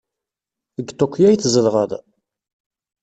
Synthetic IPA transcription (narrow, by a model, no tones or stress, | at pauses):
əɡt̪ˤːokʷːjæjθzəlʁəð